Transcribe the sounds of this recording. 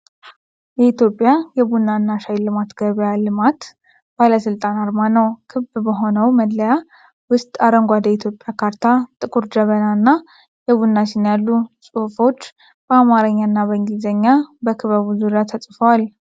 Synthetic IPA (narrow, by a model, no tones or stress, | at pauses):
jɛit̪ʰjo̞pʼːjajɛbunːanːaʃajlɨmat̪ɡ̥əβjalɨmat̪ | b̥aləsɨlt̪ʼanaɾmanəwkʰɨbbəɦo̞nəwməd̪ləja | wʊst̪ʼaɾəŋɡʷad̪əit̪ʰjo̞pʼjakʰaɾt̪ʰat̪ʼɨkʼuɾd͡ʒəβənanːa | jɛβunːat͡ʃɪnjalːusʼufo̞t͡ʃː | b̥əamaɾəɲːanːaβəŋɡizəɲːabəkʰɨβaβuzuɾijat̪ʰəsʼfəwal